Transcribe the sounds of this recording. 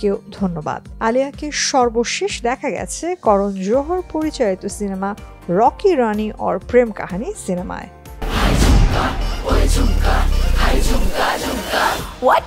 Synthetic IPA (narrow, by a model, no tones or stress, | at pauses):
kewd̪ʱonːoba̰d̪aliakeʃɔɾboʃeʃd̪ɛkʰaɡɛ̰t͡ɕʰekɔɾond͡ʑoɦoɾpoɾit͡ɕait̪osinema | ɾɔkiɾaniʔɔ̰ɾpɾemka̰ɦanisinema̰e | ajaouaaua | wɔ